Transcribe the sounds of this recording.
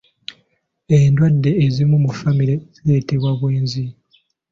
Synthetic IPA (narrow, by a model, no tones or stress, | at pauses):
endwadːe̞ːzimumufamiɾez̥iɾe̞ːte̞βwaβweːnzi